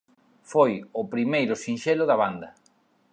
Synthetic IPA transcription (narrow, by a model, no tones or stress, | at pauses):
fojʊpɾimejɾʊsinʃelʊðɐβand̪ɐ